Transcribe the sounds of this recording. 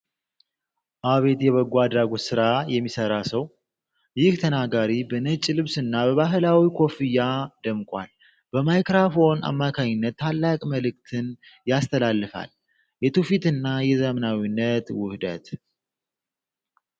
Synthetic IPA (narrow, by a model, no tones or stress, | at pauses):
ʔaβe̞t̪jɛβəɡuad̪ɾaɡot̪sɨɾajɛmːisəɾasəw | jɪht̪ʰənaɡaɾibənət͡ʃʼːilɨβsɨnːabəβaɦɨlawikʰo̞fijad̪əmkʼa̰l | b̥əmajkɾafo̞na̰mːakʰaɲɪnːət̪ːalːakʼməlɨk̚t̪ʰɨn | jast̪ʰəlalːɨfa̰l | jɛt̪ʰufit̪ɨnːajɛzəmənawinːət̪wʊhd̪ə̰t̪